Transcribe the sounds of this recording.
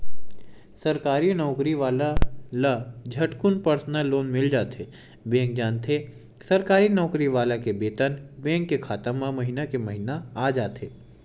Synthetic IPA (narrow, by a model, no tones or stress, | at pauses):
sɐɾkaːɾinɔːkɾiʋaːlalad͡ʒʱɐʈkʊnpɐɾsnəlːoːnmɪld͡ʒaːt̪eː | bẽːŋk̚d͡ʒaːnt̪ʰe | sɐɾkaːɾinɔːkɾiʋaːlakebeːt̪ənbẽːŋkːekʰaːt̪əmamɐɦinakemɐɦinaaːd͡ʒaːt̪eː